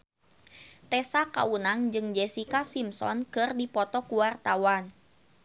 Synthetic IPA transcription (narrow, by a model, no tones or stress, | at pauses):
t̪ɛsaka̰unaŋd͡ʒɨŋd͡ʒɛsikasimsɔ̰nkɨrdipɔt̪ɔkuwart̪awan